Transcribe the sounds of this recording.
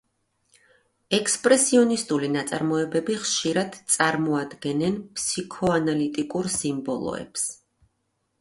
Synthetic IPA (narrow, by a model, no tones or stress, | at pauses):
ɛkʰspʼɾɛsiɔnist̪ʼulinat̪sʼaɾmɔɛbɛbiχʃiɾad̪̥t̪sʼaɾmɔad̪ɡɛnɛnpʰsikʰɔanalit̪ʼikʼuɾsimbɔ̰lˠɔ̰ɛ̰ps